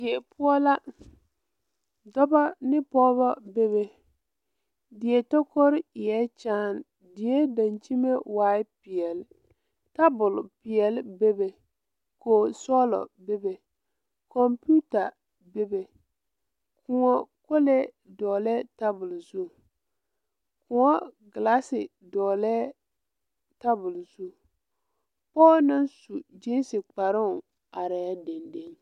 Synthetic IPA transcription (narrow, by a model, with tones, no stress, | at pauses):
ɪ˨ɛ˨pʊ˦ɔ˦la˦ | dɔ˦ba˦nɪ˦pɔː˦βɔ˦be˦βe˨ | dɪ˨ɛ˨tɔ˦kɔ˦ɾɪ˦ɪ˨ɛ˦t͡ʃaː˦˨n | dɪ˨jɛ˦da˨nt͡ʃi˦me˦waː˦ɪ˦pɪ˨ɛ˨l | ta˦bʊ˨lpɪ˨ɛ˨lbe˦be˨ | koː˨sɔ˦lɔ̰˨be˦be˨ | kɔ˨mpu˦ta˨ | be˦be˨ | kʰʊ˨ŋɔ˦ko˦le˦ | dɔː˨lɛ˦ta˦bʊ˨lzu˦˨ | kʊ˨ŋɔ˦ɡla˦sɪ˨ | dɔː˨lɛ˦ | ta˦bʊ˨lzu˦˨ | pɔː˦nɨ˦nsu˨d͡ʒi˦n˦sɪ˨k͡pa˨ɾɪ˦˨ | a˨ɾɛ˨˦de˨nde˦ŋ